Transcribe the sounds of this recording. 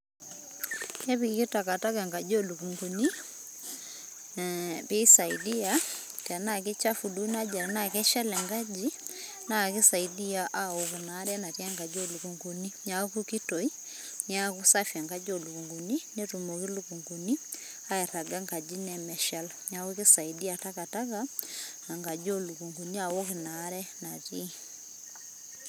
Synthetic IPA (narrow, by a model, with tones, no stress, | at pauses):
ɛ˦βi˨˦kɪ˦ta˨ka˨ta˦ɡa˨ŋɡa˨d͡ʒo˦˨lu˨ku˨ŋɡu˨ni˦ | bɪ˦sa˨i˨di˦a˦ | ta˨na˦˨kɪ˦t͡ʃa˦fu˨lu˦na˦d͡ʒa˨ɾɛ˨na˦˨kɛ˦ʃa˦lɛ˨ŋɡa˦d͡ʒi˦ | na˦˨kɪ˦sa˨i˨di˦a˦ʔa˦o˨kɔ˨na˨˦ɾɛ˦na˨tja˦ŋɡa˨d͡ʒo˦˨lu˨ku˨ŋɡu˨ni˦ɲa˨˦ku˦ki˦to˨i˦ | ɲ˦a˦ku˦sa˦fja˨ŋɡa˦d͡ʒo˨lu˨ku˨ŋɡu˨ni˦ne˦tu˨mo˨ki˦lu˦ku˨ŋɡu˨ni˦ | a˦ɛ˨ɾa˨ɡa˦ŋɡa˨d͡ʒi˦nɛ˨mɛ˨ʃa˦lɔɲa˨o˦ki˦sa˨i˨di˦a˨ta˦ka˨ta˦ka˦ | na˨ŋɡa˨d͡ʒo˦lu˨ku˨ŋɡu˨ni˦a˨wo˦kɪ˨na˨˦ɾɛ˦na˨ti˦